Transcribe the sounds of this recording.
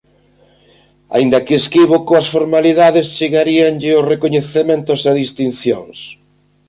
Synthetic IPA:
a̰ind̪ɐkɪeskiβokoɐsfoɾmaliðaðɪst͡ʃeɣaɾiaŋʎɪʊsrekoɲeθemẽnt̪ʊsaðist̪inθjo̰ŋs

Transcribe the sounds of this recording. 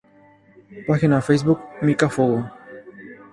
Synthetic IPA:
paxinafejsbukmikafoɣo

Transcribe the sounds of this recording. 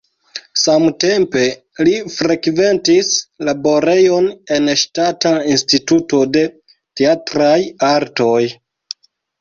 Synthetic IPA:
samte̞mpe̞ | lifɾekve̞ntislabo̞ɾe̞jo̞ne̞nʃtatainstituto̞de̞ | teatɾajaɾto̞j

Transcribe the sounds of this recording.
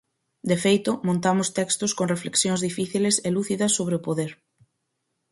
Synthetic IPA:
d̪efejt̪ʊmõnt̪amʊst̪ɛkst̪ʊskoŋrefleksjoŋzðifiθileseluθiðɐsːoβ̞ɾeɪʊpoðeɾ

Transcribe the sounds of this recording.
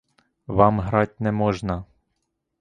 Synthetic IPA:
ʋɑmɦɾɑtʲnɛmɔʒnɐ

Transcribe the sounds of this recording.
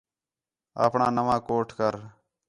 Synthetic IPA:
a̰ːpɳaːnəʋãːkoːʈʰkəɾ

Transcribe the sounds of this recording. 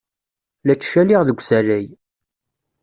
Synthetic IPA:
læt͡ʃːʃælɪʁðəɡʷsæræj

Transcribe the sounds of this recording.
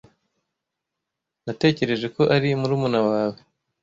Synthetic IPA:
nate̞ːce̞ɾe̞ʒe̞ko̞ʔaɾimuɾuːmunawaːwe

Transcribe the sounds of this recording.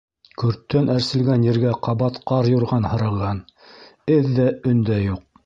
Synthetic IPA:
kɵ̆ɾt̪ːænʔæɾsɘ̆lɡænjɘ̆ɾɡæqɑβɑt̪qɑɾjŭɾʁɑnhɤ̆ɾɤ̆lˠʁɑn | ɘðːæɵ̆nd̪æjuq̚

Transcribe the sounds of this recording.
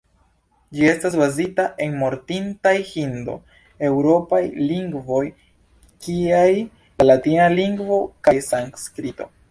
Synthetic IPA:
d͡ʒie̞stasbazitaʔe̞nmo̞ɾtintajhindo̞̰ | e̞wɾo̞pajliŋɡvo̞j | kiaj | alatinaliŋɡvo̞kajsaŋskɾito̞̰

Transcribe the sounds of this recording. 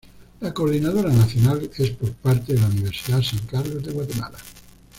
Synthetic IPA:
lakoɾðinaðoɾanaθjonalespoɾpaɾt̪eðelauniβ̞eɾsiðasaŋkaɾlozðeɣwat̪ema̰la

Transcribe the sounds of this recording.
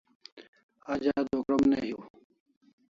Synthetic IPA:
ad͡ʑaːd̪ʱoːkɾɐmneɦjuː

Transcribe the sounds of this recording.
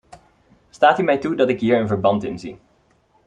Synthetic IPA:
staːtymɛjtudɑtɪkɦiːɹənvəɹbɑntɪ̰nzḭ

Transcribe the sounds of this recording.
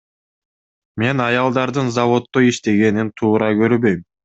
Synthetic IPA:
me̞nɑjɑlˠd̪ɑɾd̪ɯnzɑvo̞t̪ːoiʃt̪e̞ɡe̞nint̪ʰuːɾɑɡø̞ɾbø̞jm

